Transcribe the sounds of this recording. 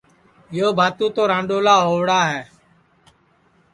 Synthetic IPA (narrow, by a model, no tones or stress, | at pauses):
joːbʱaːt̪ũːt̪oːɾãːɳɖoːlaːɦoːʋɽaːɦɛː